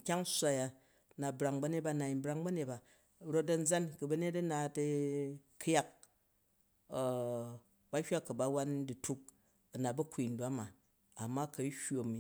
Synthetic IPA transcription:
kʲa˦ŋ˦sʷa˨ja˨ | na˨bɾa˨ŋbɐ˧˦ne˦t̚ba˦na˨i˨˦bɾa˦ŋbɐ˦ne˨t̚ba˨ | ɾo˦t̚dɐ˨n̩˦d͡za˦nkɐ˨bɐ˦ne˦tɐ˦na˨tɐ˧kʰja˦k̚ | ba˦hʲʷa˦kɐ˨ba˦wa˦ndi˨tu˦k̚ | ɐ˨na˨bɐ˦kʷi˨n̩˦dwa˦ma˨ | a˨mːa˦kɐ˨˦hʲo˨mi˨

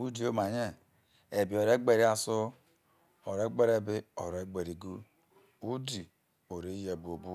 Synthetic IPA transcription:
u˦di˦o˦ma˨ɲe˦ | e˨bi˨o˨ɾe˦ɡ͡be˦ɾi˦a˦so˦ | o˨ɾe˦ɡ͡be˦ɾe˦bɪ˦o˨ɾe˦ɡ͡be˨ɾi˨ɡu˦ | u˦di˨ | o˨ɾe˦je˨bo˨bu˦

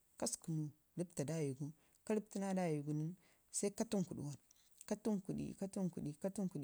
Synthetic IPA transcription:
ka˦sku˨nu˨ | ɾi˦bta˨da˦˨ju˨ɡu˦ | ka˦ɾi˦b̚ti˦na˦da˦˨ju˨ɡu˨ni˦n | sa˦i˦ka˦tu˦ŋku˨ɗṵ˨wa˨n | ka˦tu˦ŋku˨dḭ˨ka˦tu˦ŋku˨di˨ka˦tu˦ŋku˨i˨

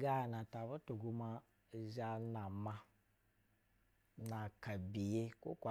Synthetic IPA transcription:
ɡa˦˨na˨ta˨βo˦to˨ɡu˧ma˦˨ | za˦na˨ma˦ | na˨ka˨bi˨je˦kṵ˦kʷa˨

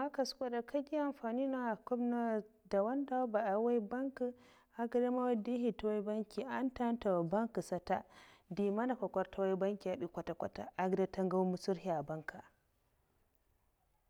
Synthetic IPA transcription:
ma˦ka˨skʷa˦da˨kʰa˦ɡʲi˦a˨mɸa˨ni˦na˦a˨kɔ˦bna˦da˨wa˦nda˦ba˨ʔa˨wa˦jba˦ŋkɨ˨ | a˨ɡə˦da˦ma˦wa˦di˦ɦi˨ta˦wa˦jba˦ŋkʲi˨ʔa˦nta˦n˦ta˨wa˨ba˦ŋkɨ˨sa˦ta˦di˨ma˦na˨ka˨kʷa˦ɾtʰa˦wa˦i˦ba˦ŋkʲi˨a˨ɗi˨˦kʷa˨ta˨kʷa˨ta̰˨a˦ɡda˦ta˦ŋɡa˦wmu˦su˦ɾhi˨a˨ba˦ŋka˨

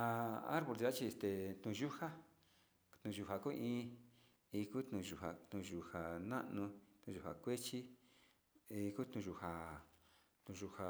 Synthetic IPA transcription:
a˧a̰˦ɾβo˧ɾi˧a˦t͡ʃi˧e˧st̪e˨t̪ũ˧ʒu˦ha˦ | t̪ũ˨˧ʒu˧ha˨ku˦ʔĩː˦˧˦ | i˧ku˦t̪nũ˧ʒu˧˨ha̰˨t̪ũ˧ʒu˨ha˨nã̰˦ʔnũ˧t̪ũ˧ʒu˨ha̰˨kʷe˦t͡ʃi˦ | i˧ku˦t̪nũ˧ʒu˧ha˨ | t̪ũ˧ʒu˧ha˨

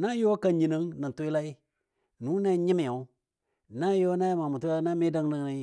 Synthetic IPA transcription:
na˦jo˦ka˨ɲi˨nə˨˦ŋna˨tu˦i˦la˦i˦ | nu˨˦ne˦ɲi˦mi˨a˨u˦˨ | na˦jo˦na˦jma˨mu˨tu˦a˦na˦mi˦da˦ŋnə˨ŋ˦a˨˦

